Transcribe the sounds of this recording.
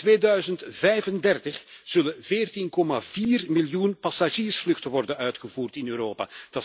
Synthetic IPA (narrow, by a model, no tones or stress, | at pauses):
tʋeːdœɥzəntvɛjvəndɛrtəxz̥ɵləvɪːrtinkɔmaviːrmɪljunpasaʒiːrsflɵxtəʋɔrdənœɥtxəvuːrtɪnøːɾoːpa̰d̥ɑ